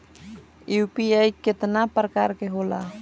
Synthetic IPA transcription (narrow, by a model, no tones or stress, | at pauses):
ʔiupijaiɡ̥ə̤t̪ənapərkaɾkeɦola̰